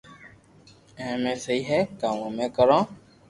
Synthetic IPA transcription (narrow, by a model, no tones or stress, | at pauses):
ɛ̃ːmẽːsəiːɦɛkaːmõmẽkəɾãː